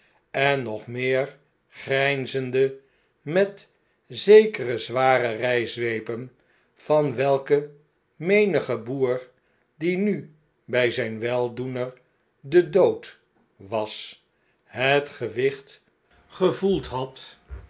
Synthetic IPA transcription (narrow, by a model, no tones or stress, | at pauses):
ɛnːɔχmɪːɹ | χrɛjnzəndə | mɛt | zejkərəzʋaːrərɛjzʋejpən | v̥ɑnʋɛlˠkə | mejnəχəbuːɹ | diny | bɛjzɛjnʋɛlˠdunəɹ | dədowt | ʋɑs | ɦətχəʋɪχt | χəvulˠtɦɑt